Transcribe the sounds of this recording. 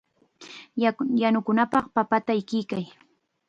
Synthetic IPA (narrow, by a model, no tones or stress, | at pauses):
janʊkʊnapɑχpapat̪aɪkɪjkaj